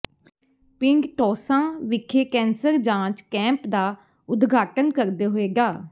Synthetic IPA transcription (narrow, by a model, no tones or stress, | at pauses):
pɪŋɡʈɔːsãːʋɪkʰeːkɛ̃ːnsəɾd͡ʒãːt͡ʃkɛ̃ːmpd̪aː | ʊd̪ɡʱaːʈənkəɾd̪eːɦoːeːɡaː